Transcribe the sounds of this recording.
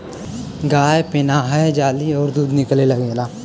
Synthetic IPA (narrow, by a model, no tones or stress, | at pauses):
ɡaːjepɪnaɦəd͡ʒaːliɔːɾd̪uːd̪nɪkleləɡelaː